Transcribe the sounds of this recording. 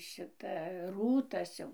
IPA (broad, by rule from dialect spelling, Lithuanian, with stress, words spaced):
ˈʃʲɪtɐ ˈruːtɐs jɛʊ